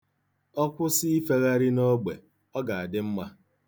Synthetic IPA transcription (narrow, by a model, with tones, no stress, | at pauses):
ɔ˦kʷʊ˦sɪ˦i˦fe˦ɣa˦ɾi˦no˦ɡ͡be˨ | ɔ˦ɡa˨a˨dɪ˦m̩˦ma˦